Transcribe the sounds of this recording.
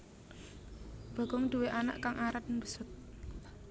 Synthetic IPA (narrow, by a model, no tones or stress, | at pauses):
b̥a̤ɡ̥ɔŋd̪̥uweʔana̰ʔkaŋʔaɾat̪̚nbəsʊt̪̚